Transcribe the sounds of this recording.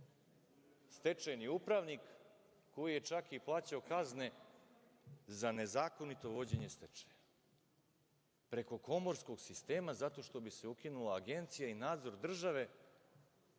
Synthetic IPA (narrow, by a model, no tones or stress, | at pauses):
st̪e̞t͡ʃajniupɾaʋnikː | o̞jije̞t͡ʃakiplˠaːt͡ɕaokazne̞ | zane̞zaːko̞nit̪o̞ʋo̞d͡ʑe̞ɲe̞st̪et͡ʂe̥ja | pɾe̞ko̞ko̞mo̞ɾsko̞ɡsist̪e̞ːmazat̪o̞ʃt̪o̞bise̞ukinulaːɡe̞nt̪sijainaːd̪zo̞ɾd̪r̩ʒaʋe̞